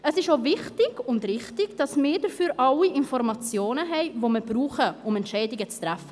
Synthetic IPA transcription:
əsɪʃovɪχtɪɡ̥ʊndrɪχtɪɡd̥ɑsmɪːɾdəfyːɾʔɑliʔɪnfɔrmɑt͡sjoːnəɦɛɪvoməbɾuːχəʊmɛntʃɛɪdɪɡət͡stɾɛfə

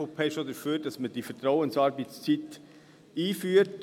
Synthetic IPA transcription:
opʰɛʃodəɾføːd̥ɑsməd̥ifɛtɾɔwənsɑɾbist͡sit | iːfyːəɾt

